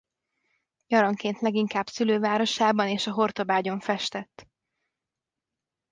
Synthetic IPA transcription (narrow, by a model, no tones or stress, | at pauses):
jɒɾɒŋkeːnt̪lɛɡiŋkaːbsyløːvaːɾo̞ʃaːbɒneːʃɒɦo̞rt̪o̞baːɟo̞ɱfɛʃt̪ɛt̪ː